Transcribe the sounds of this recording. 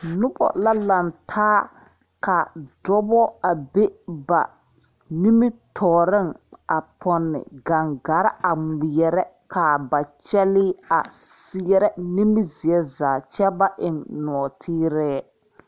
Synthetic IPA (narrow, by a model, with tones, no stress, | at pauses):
nʊ˦bɔ̰˨la˦la˨ntʰaː˦ | ka˨dɔ˦bɔ˦a˨be˦ba̰˨ | ni˦mɪ˦tʰɔː˨ɾɪ˦ŋa˨pʰɔ˨nːɪ̰˨ɡa˨ŋɡa˨˦ɾɪ˦a˨ŋi˨jɛ˨ɾɛ˦ | ka˨ba˨t͡ʃɛ˦lɪ˦a˨sɪ˦ɛ˦ɾɛ˦ni˦mi˦zi˨ɛ˦zaː˨t͡ʃɛ˦ba˦ʔɪ˨nnɔ˨tʰiː˦ɾɛː˦